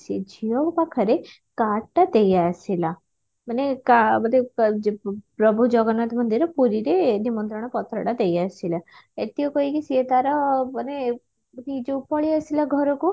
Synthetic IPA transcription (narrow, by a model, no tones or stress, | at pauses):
sid͡ʒʱiɔʋpakʰəɾe | kaʈːad̪ejasila | manekamət̪i | pɾɔbʱud͡ʒɔɡɔnat̪mənd̪iɾɔpuɾiɾenimɔnt̪ɾəɽ̃ɔpɔt̪ɾə̰ɽad̪ejasila | et̪ijokoikisiət̪aɾɔməne | mət̪id͡ʒeupɔɭiəsilaɡʱɔɾoku